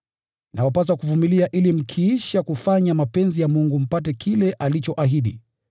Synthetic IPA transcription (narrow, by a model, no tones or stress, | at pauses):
nʔawapas̬akuvumiliaʔilim̩kʰiiʃakufaɲamapɛnzijamuŋɡum̩patɛkʰilɛʔalit͡ʃɔʔaɦiɗḭ